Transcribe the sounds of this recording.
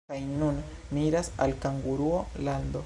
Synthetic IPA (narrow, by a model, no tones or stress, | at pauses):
ajnun | miɾasa̰lkaŋɡuɾuoland̪o̞